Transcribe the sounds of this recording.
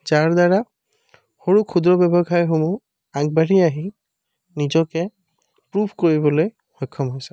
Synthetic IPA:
zaɹdaɹa | xoɹukʰudɹɔbɛbɔɡʰʱajxomu | aɡ̚baɹiaɦi | nizɔkɛ | pɹubʰʱkoɹibɔloj | xɔjkʰːɔmɦojsɛ̥

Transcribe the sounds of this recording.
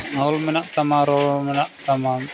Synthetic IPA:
ŋaulmɛnaʔt̪amaɾɔlmɛnaʔt̪ama

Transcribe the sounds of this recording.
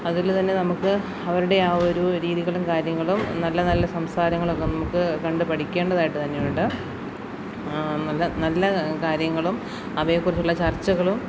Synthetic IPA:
ɐðilt̪ɐnːe̞nɐmukːɨ | ɐʋɐɾuɽe̞aːo̞ɾuɾiːðiɣɐɭumkaːɾjɐŋːɐɭumnɐlːɐnɐlːɐsɐmsaːɾɐŋːɐɭokːenɐmukːɨkɐɳɖɨpɐʈikʲːe̞ːɳɖɐðaːjiʈːɨt̪ɐnːe̞juɳɖɨ | nɐlːɐnɐlːɐkaːɾjɐŋːɐɭum | ɐʋɐjekːurit͡ɕːuɭːɐt͡ɕɐrt͡ɕːɐɣɐɭum

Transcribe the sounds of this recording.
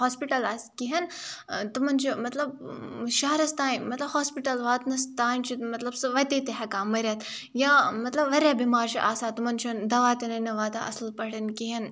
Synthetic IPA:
ɦoːspiʈɐlɐskiɦɐnt̪umɐnt͡ʃʰimɐt̪lɐbʃɐɦɐɾɐst̪aːinmɐt̪lɐbɦoːspiʈɐlʋaːt̪nɐst̪aːnt͡ʃʰimɐt̪lɐbsɨʋɐt̪it̪eɦɐkaːmɐɾʲɐt̪ | jamɐt̪lɐbʋɐɾʲɐbimaːɾt͡ʃʰiʔaːsaːt̪umɐnt͡ʃʰund̪ɐʋaːt̪ɐnɐnɐʋaːt̪a̰ʔɐ̰slpɐɽɐnkiɦɐn

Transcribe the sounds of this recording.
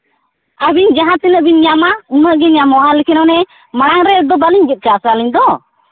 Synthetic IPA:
abiɲd͡ʒaɦãt̪ɛnəʔbiɲɲamauməʔɡɛɲamɔalɛkʰɛnɔnɛ | maɽ̃aŋɾɛd̪ɔbaliɲɡɛt̪̚ˀkasaliɲd̪ɔ

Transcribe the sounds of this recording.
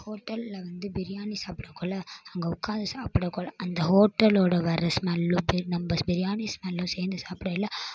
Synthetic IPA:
hoːʈːɐllɐʋɐnd̪ɯbɪɾɪjaːnisaːpɪɽɐkːoɭːɐɐŋɡɐʊkːaːnd̪ɐsaːpɪɽɐkːɔlɐʔɐnd̪ɐhoːʈːɐloːɽɐʋɐɾɐsmɐlːũbɪnɐmbɐbɪɾɪjaːnismɐlːũseːɾnd̪ɐsaːpɪɽɐɪlːɐ

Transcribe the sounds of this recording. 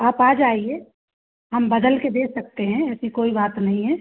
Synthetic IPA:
aːpaːd͡ʒaːie | ɦɐmbɐd̪əlked̪eːksɐk̚t̪eɦɛ̃ɛːsikoːibaːt̪nɐɦĩɦɛː

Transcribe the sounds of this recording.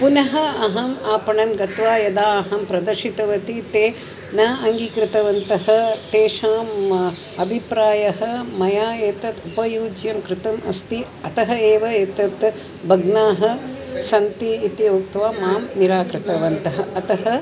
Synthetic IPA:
punɐɦɐɐɦɐmaːpɐɳɐmɡɐt̪ʋaːjɐd̪aːɐɦɐmpɾɐd̪ɐɾʃit̪ɐʋɐt̪it̪eː | naːʔɐŋɡikɾɪt̪ɐʋɐnt̪ɐɦɐt̪eːʃaːm | ɐbʱipɾaːjɐɦɐmɐjaːeːt̪ɐt̪upɐjuːd͡ʒjɐmkɾɪt̪ɐmʔɐ̰st̪i | ɐt̪ɐɦɐeːʋɐeːt̪ɐt̪ | bʱɐɡnaːɦɐ̆sɐnt̪iːt̪iok̚t̪ʋaːmaːmniɾaːkɾɪt̪ɐʋɐnt̪ɐɦɐɐt̪ɐɦɐ

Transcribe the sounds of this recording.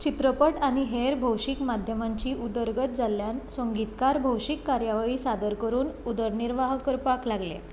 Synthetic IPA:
t͡ɕit̪ɾəpəʈaɽ̃iɦeɾbʱəwɕikmad̪ʱjəmaɲt͡ɕiːud̪əɾɡət̪̚d͡zalːjansəŋɡit̪kaɾbʱəwɕikːaɾjaʋɭiːsad̪əɾkəɾuːnud̪əɾniɾʋaɦkəɾpaklaɡlḛ

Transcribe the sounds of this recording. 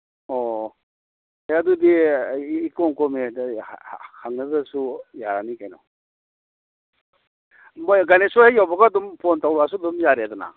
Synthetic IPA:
ɔ | ajadudiː | kɔŋkɔme | hʰaŋnaɡasujaɾanikajnɔ̰ | mɔjɡanesuajawbaɡadumpʰontawɾas̬udɔmjaɾedɔna̰

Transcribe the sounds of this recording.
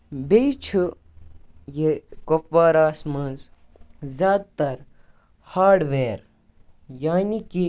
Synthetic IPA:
bet͡ʃʰu | jekopʋaːɾaːsmɐ̃nz | zaːd̪̚t̪ɐɾ | haːɾɖʋeːɾ | jaːniki

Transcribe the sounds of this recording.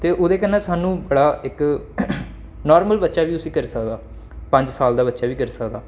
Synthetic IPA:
t̪eːʔoːd̪eːkənːãːsaːnũːbəɽaːɪk | nɔːɾməlbətːʃaːʋiːt̪ʊsĩːkəɾisəkd̪aː | pə̃ɲd͡ʒsaːld̪aːbətːʃaːʋiːkəɾsəkd̪aː

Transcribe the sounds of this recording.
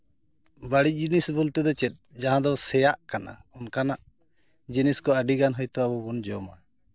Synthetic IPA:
baɽic̚d͡ʒinisbult̪ɛd̪ɔt͡ʃɛt̪̚ˀd͡ʒaɦãd̪ɔsɛjaʔkana̰ɔnkanaʔ | d͡ʒiniskɔəɖiɡanɦɔjt̪ɔabɔbund͡ʒɔma̰

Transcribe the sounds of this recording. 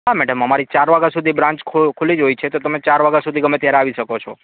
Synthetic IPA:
ɦamɛɽəməmaɾit͡ʃaɾʋaɡasud̪ʱibɾãnt͡ʃkʰkʰulid͡ʒojt͡ʃʰet̪ot̪əmet͡ʃaɾʋaɡasud̪ʱiɡəmet̪jaɾeaʋiʃəkot͡ʃʰɔ

